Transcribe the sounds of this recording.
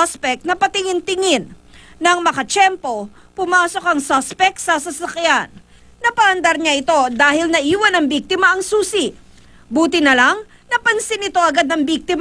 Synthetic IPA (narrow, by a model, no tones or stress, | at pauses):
spɛk̚nɐpɐt̪ɪŋɪnt̪ɪŋɪnː | ɐŋmɐkɐt͡ʃɛmpo̞ | pʊmaːso̞kɐŋsaspɛk̚t̪sɐsɐsɐkjanː | ɐpɐʔɐnd̪ɐɾɲɐʔɪt̪o̞d̪aːhɪlnɐʔiːwɐnɐŋbiɡ̚t̪ɪmɐʔɐŋsuːsɪ | buːt̪ɪnɐlaŋ | nɐpɐnsɪnɪt̪o̞ʔɐɡad̪̚nɐŋbiɡ̚t̪ɪm